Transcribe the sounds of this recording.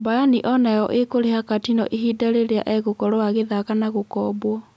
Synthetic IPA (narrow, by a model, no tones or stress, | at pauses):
bajaniʔɔnajɔʔekoɾehakatinɔ̰ʔiɦiːdaɾeɾea̰ʔɛɣokɔɾoaɣeðakanaɣokɔbwɔ